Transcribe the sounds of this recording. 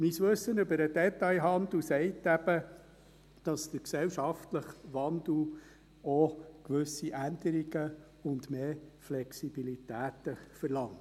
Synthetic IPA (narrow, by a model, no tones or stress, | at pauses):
misʋɵsːənʏbəɾəd̥ɛtɑɪɦɑnd̪l̩sɛɪtːæb̥ə | d̥ɑst̪əɾksɛwʃɑftləχʋɑndl̩ | ɔkʋɵsiʔænd̥əɾiɡə | ʊndmeːflɛksib̥ilitæːt̪əfəɾlɑŋt